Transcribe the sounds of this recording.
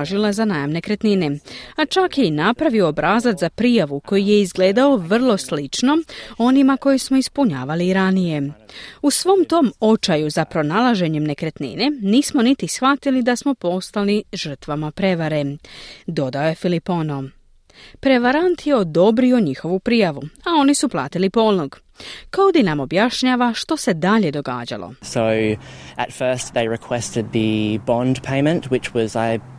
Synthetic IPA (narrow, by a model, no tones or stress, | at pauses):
ʒilazanaːjamne̞kɾe̞t̪nine̞at͡ʃakjeinapɾaʋioːbɾaːzat̪zapɾijaʋuko̞jije̞izɡle̞ːd̪ao̞ʋr̩lˠo̞slit͡ʃno̞o̞nimako̞jismo̞ispuɲa̰ːʋaliɾanije̞usʋo̞mt̪o̞ːmo̞t͡ʃajuzapɾo̞naːlˠaʒe̞ɲe̞mne̞kɾe̞t̪nḭne̞niːsmo̞nit̪isxʋat̪ilid̪asmo̞po̞st̪aliʒər̩t̪ʋamapɾe̞ʋaɾe̞d̪o̞d̪ao̞je̞filipo̞no | pɾe̞ʋaɾant̪je̞od̪o̞bɾio̞ɲixo̞ʋupɾijaʋuao̞nisuplˠa̰ːt̪ilipo̞ːlˠnoɡ | kaod̪anamo̞bjaʃɲaːʋaʃt̪o̞se̞d̪aʎe̞d̪o̞ɡa̰ːd͡ʑa̰lˠo̰soʊʔətfɜˑ˞st̪ðeɪɹɨkʰw̥ɛstɨd̪̚ðɨbɑ̃ndpʰẽɪ̃mɨ̃nʔwɪt͡ʃwɒzaɪ